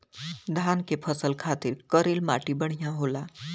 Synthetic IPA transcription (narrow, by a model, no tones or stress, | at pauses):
d̪ʱankepʰəsəlkʰat̪iɾkəɾilmaʈibəɽ̤jãɦola